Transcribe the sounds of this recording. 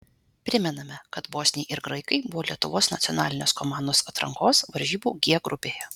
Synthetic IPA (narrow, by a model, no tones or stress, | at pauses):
pʲɾʲɪmʲɛnɐmʲɛkɐt̪boːsʲnʲeʔɪɾɡɾɐɪkɐɪbʊʋoːlʲiɛt̪ʊʋoːsnɐt̪sʲɔnɑːlʲɪnʲoːskɔmɑːnoːsɐt̪ɾɐ̰ŋkoːsʋɐɾʲʒʲiːbuːɡʲiɛɡɾʊpʲeːjɛ